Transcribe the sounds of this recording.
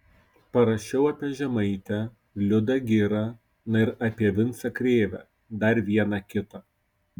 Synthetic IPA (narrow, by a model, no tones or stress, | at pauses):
pɐɾɐʃʲɛʊɐːpʲiɛʒʲɛmɐɪt̪ʲɛ | lʲʊd̪ɐɡʲɪɾɐ | nɐɪɾɐːpʲiɛʋʲɪnˑsɐkɾʲeːʋʲæ̰ | d̪ɐɾʋʲiɛnɑkʲɪt̪ɐ